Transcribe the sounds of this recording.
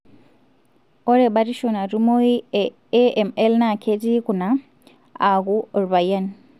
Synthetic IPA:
oɾebaɾiʃonaɾimoi | eemelnakʰetikuna | aɣuoɾβajan

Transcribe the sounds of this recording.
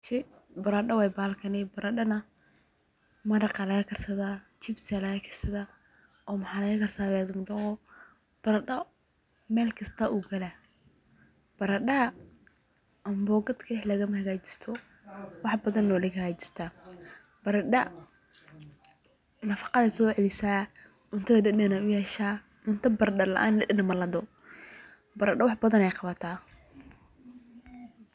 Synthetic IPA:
ʃɛ | bɐɾɐɖɐwɛːjbaːlkʰɐnɛbɐɾɐɗɐnɐ | mɐdɐqɑlɐɣɐkʰɐrsɐðaː | t͡ʃɪbsalɐɣɐkʰɐ̥rsɐða | ɔːmɐħɑːlɐɣɐkʰɐrsaːβɛðʊmɖɐqɔ | b̥ɐɾɐɗɐ | mɛːlkʰɐst̪ʰaʔuɡɐla | b̥ɐɾɐɖɐ | ɐmbɔːɡɐd̪kʰɐdɛħlɐɣɐmɐhɐɣaːt͡ʃɪ̥st̪ʰɔ | wɑħbɐðɐnːɔːlɪkɐɣaːt͡ʃɪ̥st̪ʰa | b̥ɐɾɐɖɐ | nɐfɑ̥qɑðɐsɔːʕɛlɪsaː | ʊnt̪ʰɐðɐdɛɗɛnɐʊjɛːʃaː | ʊnt̪ʰɐbɐɾɗɐlɐ̰ʔa̰ːnlɛɗɛnɐmɐlɐd̪ɔ | bɐɾɐɖɐwɑħbɐðɐnɛjqɑβɐt̪ʰaː

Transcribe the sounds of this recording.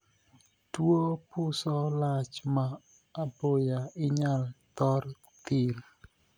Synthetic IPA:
dwopʊsɔlat͡ʃmaː | bojaɪɲalt̪ɔr | t̪il

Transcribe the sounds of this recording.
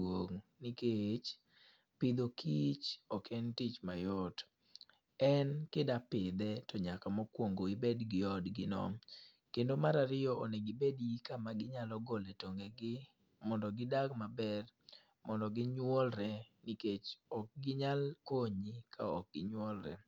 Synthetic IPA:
woŋniket͡ʃ | pɪd̪okʰit͡ʃɔkʰɛntit͡ʃmajɔt | ɛnkɪdapɪd̪ɛtɔɲakamɔkwoŋɡoibedɡɪɔdɡɪnɔ̰m | kendomaɾaɾɪjɔoneɡɪbedjikamaɡɪɲalɔɡɔlɛtoŋɡɛɡɪ | mɔndɔɡɪdaɡmabɛr | mɔndɔɡɪɲwɔlɾɛniket͡ʃɔk̚ɡɪɲalkoɲikʰaɔk̚ɡ̥ɪɲwɔlɾɛ̰

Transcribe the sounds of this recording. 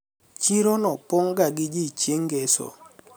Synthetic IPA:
t͡ʃiɾonɔpɔŋɡaɡɪd͡ʒit͡ʃeŋɡesɔ̰

